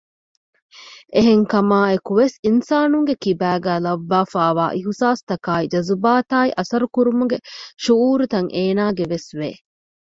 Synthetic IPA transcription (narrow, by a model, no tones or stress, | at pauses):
ʔeɦeŋkɐmaːekuʋesinsaːnuŋɡekibæːɡæːlɐʋːaːfaːʋaːʔiɦusaːst̪ɐkaːid͡ʒɐzubaːt̪aːiʔɐsɐɾukuɾumuɡeʃuuːɾut̪ɐŋʔeːnaːɡeʋesʋeː